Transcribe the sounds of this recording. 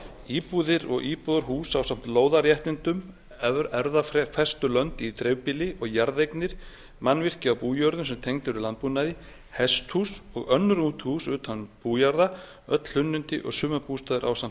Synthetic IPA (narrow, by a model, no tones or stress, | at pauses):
iːpuːðɪɾɔ̰ɣʔiːpuðaɾɦuːsawsam̥t̪loːwðaɾjɛht̪ɪnt̪ʏm | ɛɾðaffɛst̪ʏlœnt̪it̪ɾewpɪlɪʔɔɣjaɾðejknɪɾ̥ | manːvɪr̥cɪawpuːjœɾðʏmsɛmt̪ʰejŋt̪ʏɾʏlant̪̚punajðɪ | hɛst̪husɔɣœnːʏɾuːt̪huːsʏːt̪ʰapuːjaɾða | œt̪l̥hʏnːʏnt̪ɪ̰ʔɔ̰ɣsʏːmapust̪aːðɪɾʔawsam̥t̪